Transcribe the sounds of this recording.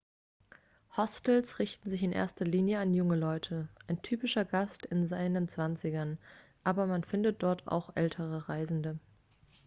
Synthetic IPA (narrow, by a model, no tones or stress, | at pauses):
hɔstl̩sʁɪçtn̩zɪçɪnʔḛːɐstɐliːnjəanjʊŋəlɔʏtʰəʔaɪntʰyːpɪʃɐɡastɪnzaɪnənt͡sv̥ant͡sɪɡɐn | ʔaːbɐmanfɪndət̚d̥ɔɐtʰa̰ʊxʔɛ̰ltʰəʁ̞əʁaɪzn̩də